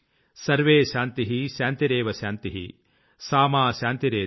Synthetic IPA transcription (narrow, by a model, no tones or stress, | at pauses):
sɐɾʋeːʃaːnt̪iɦiʃaːnt̪iɾeːʋɐʃaːnt̪iɦḭ | saːmaːʃaːnt̪iɾeː